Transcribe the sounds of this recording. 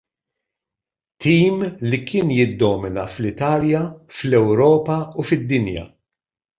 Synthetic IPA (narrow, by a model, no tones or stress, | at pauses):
t̪iːmlikɪːnjɪd̪ːɔːmɪnɐflɪt̪ɐːljɐflɛwɾɔːpɐufɪd̪ːɪnjɐ̰